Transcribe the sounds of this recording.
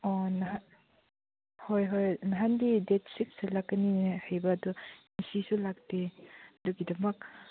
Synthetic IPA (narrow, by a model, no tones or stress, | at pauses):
ɔnɦa | hojɦojnaɦandidet̚sik̚sɐlakːɐnihajbɐːdɔnisisulak̚deduɡidɐmɐk̚